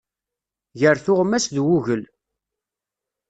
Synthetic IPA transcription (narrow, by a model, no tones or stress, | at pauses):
ʝəɾθʊʁmːæsðwuʝəl